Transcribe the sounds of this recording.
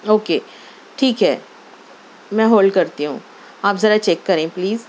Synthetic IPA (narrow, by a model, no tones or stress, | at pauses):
oːkeː | ʈʰiːkɦɛ̰ː | mɛ̃ːɦoːlɖkɐɾt̪iɦṵ̃ː | aːpzɐɾat͡ʃɛːkːɐɾẽːpliːz